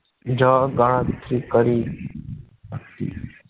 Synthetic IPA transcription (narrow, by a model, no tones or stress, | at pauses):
d͡ʒaːɡããːd̪t̪ʰɾiːkəɾi | səkt̪ḭː